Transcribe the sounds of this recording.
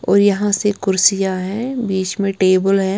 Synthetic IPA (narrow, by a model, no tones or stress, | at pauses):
ɔ̰ːɾjɐɦãsekʊɾsɪjaɦɛ̃biːt͡ʃmẽʈeːbəlɦɛː